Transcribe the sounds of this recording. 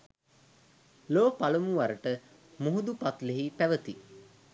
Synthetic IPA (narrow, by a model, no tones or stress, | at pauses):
loːpalumuʋaɾəʈə | muɦud̪upat̪leɦipæʋət̪i